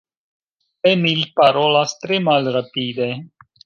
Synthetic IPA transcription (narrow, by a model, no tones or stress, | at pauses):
emilpaɾolast̪ɾemalɾapid̪e